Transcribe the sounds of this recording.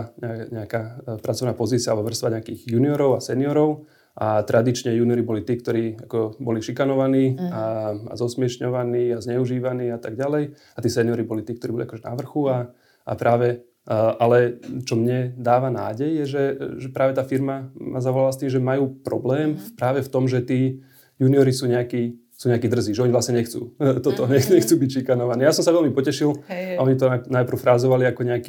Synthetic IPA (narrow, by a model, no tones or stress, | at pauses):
ɲɛɲɛakaːpɾat͡sɔʋnaːpɔziːt͡siɪalbɔʋr̩st̪ʋaɲɛakiːɣjuːniɔɾɔʊasɛniɔɾɔʊ | ʔat̪ɾʔad̪it͡ʃɲɛjuːniɔɾibɔlit̪iːk̚t̪ɔɾiːakɔbɔliʃikanɔʋaniːaa̰zɔsmɪɛʃɲɔʋaniːazɲɛuʒiːʋaniːat̪aɡ̚ɟalɛj | at̪iːsɛniɔɾibɔlit̪iːkt̪ɔɾibɔliakɔʒɛna̰ʋr̩xua | a̰pɾʔaːʋɛ | ʔalɛt͡ʃɔmɲɛd̪aːʋana̰ːɟɛjːɛʒɛʒɛpɾaːʋɛt̪aːfiɾmamazaʋɔlalast̪iːmʒɛmajuːpɾɔ̰blɛːmpɾaːʋɛft̪ɔmʒɛt̪iː | juniɔɾisuːɲɛakiː | suːɲɛakiːd̪r̩ziːʒɛɔɲiʋlasɲɛɲɛxt͡sṵːt̪ɔt̪ɔɲɛxɲɛxt͡suːbicʃikanɔʋaniːjaːs̬ɔmsaʋɛlmipɔcɛʃilaɔɲit̪̬ɔanajpr̩ʊfɾaːzɔʋaliakɔɲɛaki